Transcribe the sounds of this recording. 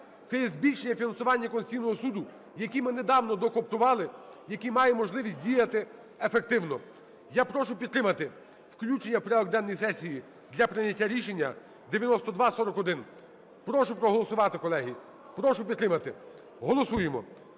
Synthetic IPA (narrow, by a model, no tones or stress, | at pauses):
t̪ɛjɛzʲbʲilʲʃenʲːɐfʲinɐnsʊʋɑnʲːɐkɔnsʲijnɔɦɔsud̪ʊ | jɐkʲimɪned̪ɑwnɔd̪ɔkɔpt̪ʊʋɑlˠɪjɐkʲimɑjɛmɔʒlˠɪʋʲisʲt̚ʲdʲijɐt̪ɪ | efek̚t̪ɪwnɔ | japɾɔʃʊpʲid̪̚ɾɪmɐt̪ɪ | wklʲut͡ʃenʲːɐwpɾʲaɔɡ̚d̪ɛnːɔjisɛsʲiji | d̪lʲɐpɾɪnʲɐtʲːaɾʲiʃenʲːɐ | d̪eʋjɐnɔst̪ɔd̪ʋɑsɔɾɔkɔd̪ɪn | pɾɔʃʊpɾɔɦɔlˠɔsʊʋɑt̪ɪkɔlˠɛɦʲi | pɾɔʃʊpʲd̪t̪ɾɪmɐt̪ɪ | ɦɔlˠɔsujemɔ